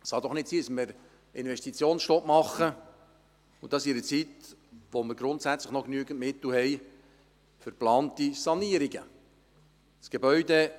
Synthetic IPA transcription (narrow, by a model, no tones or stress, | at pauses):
sχɑd̪ɔχnɪtsiːdəsməɾ | ɪnvɛʃtit͡sjoːnsʃtɔpmɑχːə | ud̥̪ɑsiɾət͡sit̪ʋoməɾɡɾʊnt̪sæt͡sləχnɔknyəɡ̥əntmɪt̪l̩hɛj | fʏɾplɑːnt̪isɑniəɾiɡə | sɡ̥ebœʏɥd̪e